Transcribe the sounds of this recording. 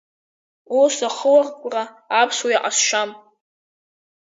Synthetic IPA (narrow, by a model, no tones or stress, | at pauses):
osaχəwarkʷʼra | apʰswujaʔasʃam